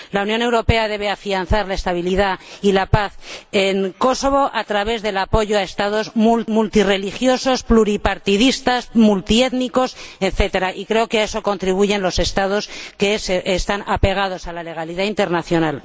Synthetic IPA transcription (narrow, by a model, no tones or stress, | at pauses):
launjone̞wɾo̞pe̞aðe̞β̞e̞afian̟θaɾlae̞st̪aβ̞iliðailapaθeŋko̞so̞β̞o̞ʔat̪ɾaβ̞e̞zðe̞lapo̞ʝo̞ae̞st̪að̞o̞zmumult̪ire̞lixjo̞so̞spluɾipaɾt̪iðist̪asmult̪ie̞t̪niko̞seθe̞t̪e̞ɾaʔikɾe̞okeae̞so̞ko̞nt̪ɾiβ̞uʝe̞nlo̞se̞st̪að̞o̞ske̞seʔːst̪anʔape̞ɣ̞að̞o̞salale̞ɣ̞aliðaint̪e̞ɾnaθjo̞nal